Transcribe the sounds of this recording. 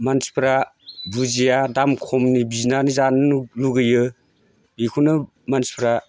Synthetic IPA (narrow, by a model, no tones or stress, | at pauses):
mansi̥pʰɾa | buzijadamkʰɔmnibiznanizanluɡɯjɯ | bikʰunɯ | mansi̥pʰɾa